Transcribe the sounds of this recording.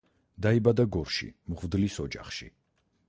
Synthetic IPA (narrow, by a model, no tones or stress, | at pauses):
d̪aibad̪aɡɔɾʃḭmʁvd̪lisɔd͡ʒa̰χʃḭ